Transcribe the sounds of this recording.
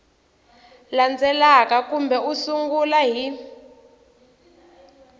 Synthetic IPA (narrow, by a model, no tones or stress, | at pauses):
land͡zʱɛlakakumbɛusuŋɡulaɦi